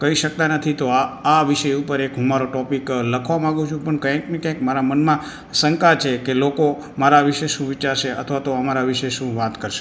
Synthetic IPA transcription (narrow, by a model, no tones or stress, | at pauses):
kəiʃək̚t̪anət̪ʰit̪oaaʋiʃəjupəɾekɦũmaɾoʈɔpikləkʰʋamãɡũt͡ʃʰũpəɳkəjãknekjãkmaɾamənmã | sə̃ŋkat͡ʃʰekeloko | maɾaʋiʃeʃũʋit͡ʃaɾʃeə̰t̪ʰʋat̪oəmaɾaʋiʃeʃũʋat̪kəɾʃe̥